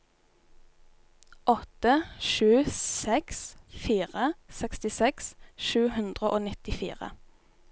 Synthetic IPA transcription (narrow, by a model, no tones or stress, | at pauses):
ʔɔt̪əʃʉːsɛksfiːʁəsɛkst̪ɪsɛksʃʉːhʉnd̪ʁəʔoːnɪt̪ɪfḭːʁə̰